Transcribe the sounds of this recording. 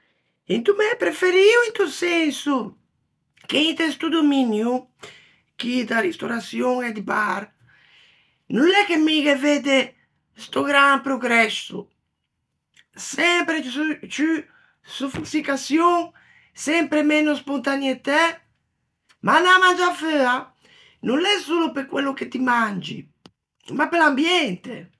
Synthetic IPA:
int̪umɛpɾefeɾiwint̪usɛnsu | keint̪est̪ud̪ominju | k̟id̪arist̪oɾasjoŋɛd̪ibaɾ | nunɛkːemiɡeved̪e | st̪oɡɾaŋpɾoɡɾɛsu | sɛmpɾet͡ʃy | sufusikasjoŋ | sɛmpɾemɛnːospont̪anjet̪ɛ | manamand͡ʒaføːa | nunːɛsuːlopeɾkwelːoket̪ːimand͡ʒḭ | mapːelambjɛnt̪ḛ

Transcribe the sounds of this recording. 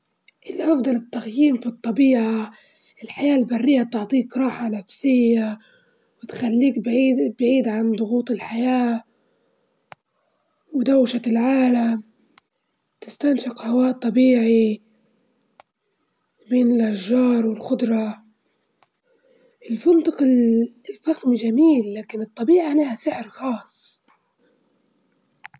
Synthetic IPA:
ʔɪlʔɑfd̪ˤɑlɪt̪ːaɣjiːmfit̪ˤːɑbiːʕa | ʔɪlħajaːʔlbarːɪjːat̪ʊʕt̪ˤiːkɾˤɑːħanafsɪjːa | wɪt̪xalːiːkbibʕiːd̪ʕand̪ˤʊɣuːt̪ˤɪlħajaː | wɪd̪awʃalʕaːlam | t̪ɪst̪anʃɪqhawaːʔt̪ˤːɑbiːʕi | beːnɪlʔaʃːɑːɾˤwɪlxʊd̪ɾˤɑ | ʔɪlfɪnt̪ˤɑq | lfaɣmʒamiːlːaːkɪnɨt̪ˤːɑbiːʕaʔanːhasɪʕɾxɑːsˤ

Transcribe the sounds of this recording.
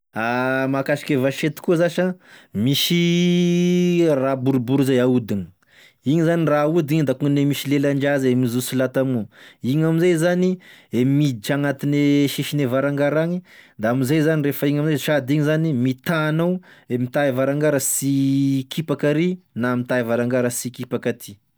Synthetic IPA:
amakaʃi̥kʲevaʃet̪i̥kuzaʃamiʃi | rabuɾubuɾizajaud̪ini̥ | iɲizaniraud̪iɲid̪akuŋnemiʃilelaɳd͡ʒazemizusilat̪amuiɲamizajzaniemid̪it͡ʃaŋat̪ineʃiʃinevaɾaŋɡaɾaɲid̪aamizajzanirefəiɲamizaʃad̪iɲizanimit̪aːnawemit̪aivaɾaŋɡaɾəsikipakaɾinamit̪aivaɾaŋɡaɾəsikipakat̪ʰi̥

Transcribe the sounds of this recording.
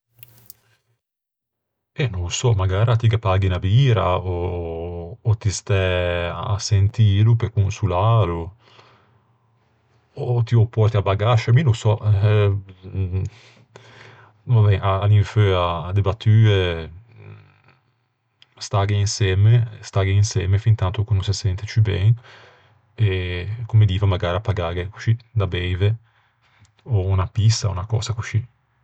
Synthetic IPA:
enusɔmaɡaːɾat̪iɡapaːɡinabiːɾa̰oː | t̪ist̪ɛ̰asent̪iːlupekunsulaːɾu | ot̪iɔpːɔɾt̪iabaɡaʃaminusɔ | vabɛʔaːliɱføad̪ebat̪ʰːyːe | st̪aɡeinsjɛːmest̪aɡeinsjɛːmefint̪ant̪okunõnsasɛnt̪et͡ʃibɛ̰ŋ | ekomed̪iːvamaɡaːɾapːaɡaːɾeku̥t͡ʃid̪abɛjve | ɔunapist̪aṵnakɔ̰ːzakut͡ʃi

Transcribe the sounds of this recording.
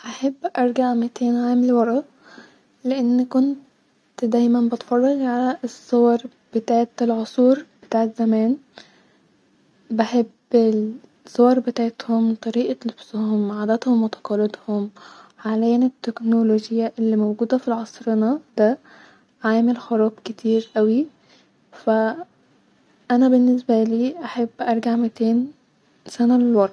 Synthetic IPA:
ʔaħabːʔɑɾˤɡaʕmɪt̪eːnʕaːmɪlwɑɾˤʔɑ | lɪʔɪnːkʊnt | d̪æːjmænbɪt̪fɑrˤːɑɣʕalæsˤːowɑɾˤ | b̥ɪt̪aːʕt̪ɪlʕosˤuːɾb̥ɪt̪aːʕt̪zæmæːn | baħebɪ | sowɑɾˤbɪt̪aʕet̪homt̪ˤɑɾiːʔalʊbshʊmʕaːd̪æt̪hʊmwɑt̪ɑ̥qɑlːɪd̪hʊmʕaleːnɪt̪ːeknoloːʒjːaʔɪlːiːmowɡuːd̪æfilʕɑsˤɾɪnɑd̪æ | ʕaːmɪlxʊɾˤɑːbkɪt̪ʰiːɾʔæwi | fæ | ʔænæbɪnːɪsbæliːʔaħabːʔɑɾˤɡaʕmɪt̪eːn | sænalɪlwɑɾˤ

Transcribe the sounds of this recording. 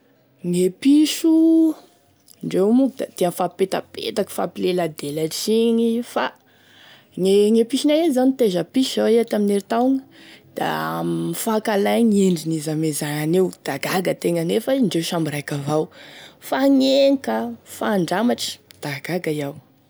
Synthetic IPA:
ŋepiʃu | ɳɖ͡ʐewmukd̪at̪efapet̪a̰pḛt̪akə̥fapilelad̪elaʈ͡ʂiɲifa̰ | ŋeŋepiʃinajezanit̪eʒapiʃzaweat̪amineɾit̪awŋə̥d̪̥a̰mifakalajɲeɳɖ͡ʐinizamezaanewd̪̥aɡaɡət̪eŋənefaɳɖ͡ʐewʃambirajkavawfaŋeŋkəfaːɳɖ͡ʐamaʈ͡ʂə̥d̪̥aɡaɡaijaw

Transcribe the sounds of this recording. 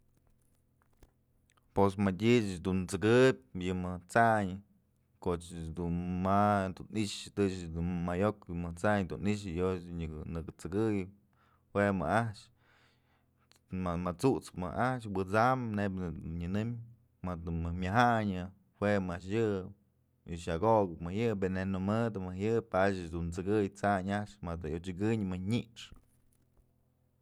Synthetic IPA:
posmatʲit͡ʃd̪unt͡sɨkɨp̚ʲjɨmɨt͡saɲɨ | kot͡ʃd̪unmad̪uniʃt̪ɨt͡ʃd̪unmajokjɨmɨt͡saɲd̪uniʃ̬ɨjosɲɨknɨkɨt͡sɨɡɨj | hwema̰aht͡ʃ | amat͡suʔt͡spmɨ̰ʔaht͡ʃwɨt͡samnebɨɲɨnɨm | mad̪ɨmɨmʲaɦaɲɨ | hwʷemaʔʂjɨ | iʃaɡoʔɡɨpmɨjɨbenenɨmɨd̪ɨmɨjɨpat͡ʃɨd̪unt͡sɨɡɨjt͡saɲaʂmad̪ɨjot͡ʃɨɡɨɲmɨɲiʔʂ

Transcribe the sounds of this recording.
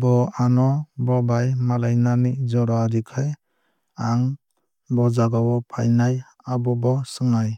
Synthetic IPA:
bɔanɔbɔbajmalajnanid͡ʒɔɾaɾikʰaj | aŋ | bɔd͡ʒaɡawɔpʰajnaj | abɔbɔsɯŋaj

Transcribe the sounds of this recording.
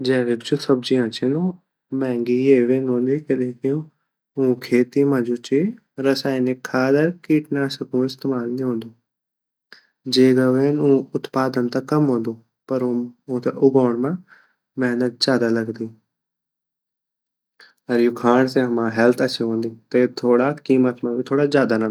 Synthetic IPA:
d͡ʒɛːʋekd͡ʒosɐb̚d͡ʒĩãt͡ʃʰẽno | mɛ̃ːŋɡieːʋenɦõːnd̪ikeɗẽːkijũ | ũːkʰeːt̪imãd͡ʒot͡ʃe | ɾɐsaːinekʰːaːd̪əɾkiːʈnaːsɐkũɪst̪eːmaːlniɦõːnd̪oː | d͡ʒeːɡɐʋenũːʊt̪paːd̪ənt̪ɐkɐmɦõːnd̪oː | pɐɾũũt̪eʔʊɡaːɽ̃mã | mɛɦnət̪̚d͡ʒaːd̪alɐɡnd̪iː | ɐɾjukʰaːɳ̃sẽɦɐmãɦɛlt̪ʰɐt͡ʃʰeɦõːnd̪it̪ɐet̪ʰoːɽakiːmət̪mãbʱit̪ʰoːɽazjaːd̪anã

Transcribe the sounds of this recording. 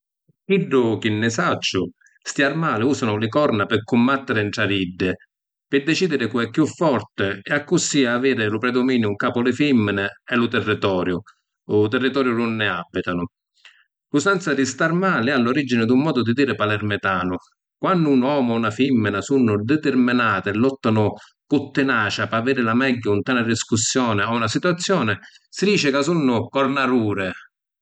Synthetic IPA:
kiɖːʊkɪnːɪsat͡ʃːʊ | st̪jaɾmaːlɪuːsanʊlɪkɔɾnapɪkʊmbat̪ːɪɾɪɳʈ̪ɾavid̪ːɪ | pɪd̪ɛt͡ʃiːd̪ɪɾɪkuɛpːjufːɔrt̪ɪɛakːusːiaːviːɾɪlʊpɾɛd̪omiːnjʊuŋkaːpʊlɪfimːɪnɪɛlʊt̪ɛrːit̪ɔːɾjʊ | ʊt̪ɛrːit̪ɔːɾjʊnʊnːɪabːit̪anʊ | lusɛnt̪sad̪ist̪armaːlɪalːoɾid͡ʒinɪd̪umːɔːd̪ʊd̪id̪iːɾɪpalɛrmɪt̪aːnʊ | kwanːʊːnwɔːmʊunafimːɪnasunːʊd̪ɛt̪ɪrmɪnaːt̪ɪɛlːɔt̪ːanʊ | kʊt̪ːɪnaːt͡ʃapaaviːɾɪlamɛɟːaunt̪ɛːnadiskusːjɔːnɪaunasit̪wat̪sːjɔːnɪ | sid̪iːt͡ʃɪkas̬unːʊkɔrnaruːɾɪ

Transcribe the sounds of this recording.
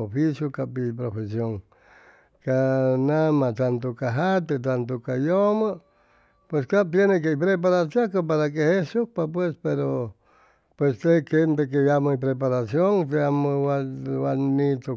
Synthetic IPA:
ofisjokapipɾofesjoŋ | kanamat̪ant̪okaɦat̪et̪̬ant̪okajoma | pweskapjenek̬eipɾep̬aɾasjakap̬aɾak̬ehesuhpapwespeɾo | pwest̪ekempek̬ejamoipɾep̬aɾasjoŋt̪eamowawannit̪o

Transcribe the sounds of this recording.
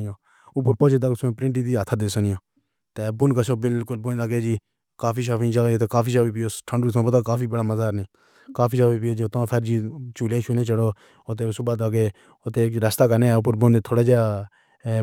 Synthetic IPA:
jõː | ʊp̬əɾpoːt͡ʃed̪aːɡsːpɾɪ̃ɳʈiːd̪iːat̪ʰaːd̪eːsənɪjõː | t̪eːbʊnkəsoːbɪlkʊlbʊnlaɡeːd͡ʒiː | kaːfʰiːʃ̬aːfĩːd͡ʒalːeːt̪eːkaːfiːʃaːpiːpɪjoːʈʰəɳɖuːt̪ʰãːbət̪aːkaːfʰiːbəɽaːməzaːɾnĩː | kaːfiːʃaːpiːpɪoːd͡ʒit̪ːpʰɛɾd͡ʒiːt͡ʃuːlẽːʃuːnẽːt͡ʃəɽoː | ot̪̬eːsʊbaːd̪aːɡeː | ʊt̪eːɾəst̪aːkənẽːʊpəɾbʊnːt̪ʰoːɽaːd͡ʒe

